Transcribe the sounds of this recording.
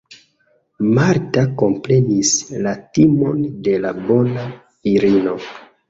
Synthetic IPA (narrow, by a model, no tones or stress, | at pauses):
maɾtako̞mpɾe̞nislatimo̞nde̞labo̞na | iɾino̞